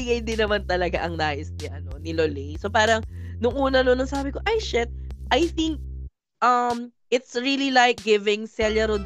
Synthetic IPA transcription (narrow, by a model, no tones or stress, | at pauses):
ɪɡɐjd̪ɪnɐmant̪ɐlɐɡaʔɐŋnaːjɪsnɪʔɐno̞nɪlolijsopaːɾɐŋnʊŋʔuːnɐnonɐŋsaːbɪkoʔajʃɪt̪̚ʔɐjθĩŋk̚ | ʔɐmʔɪt̪sɹililajk̚ɡɪvɪ̃ŋsɛljɐɾod̪